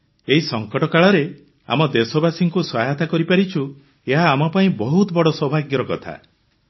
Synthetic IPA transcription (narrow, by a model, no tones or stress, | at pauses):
eɦisɔŋkɔʈɔkaɭɔɾe | a̰mɔd̪esɔbasiŋkuswaɦat̪akɔɾipaɾit͡ʃʰu | eɦaːmɔpaĩbɔɦut̪ɔbɔɽɔswɔbʱaɡjɔɾɔkɔt̪ʰa̰